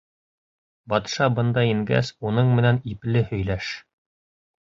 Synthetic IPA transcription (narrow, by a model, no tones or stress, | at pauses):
bɑt̪ʃɑbɤ̆nd̪ɑiŋɡæ̰sunɤɴmɘ̆næniplɘhɵ̆jlæʃ